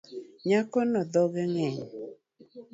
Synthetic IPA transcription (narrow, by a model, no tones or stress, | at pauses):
ɲakɔnɔd̪ɔɡɛŋɛɲ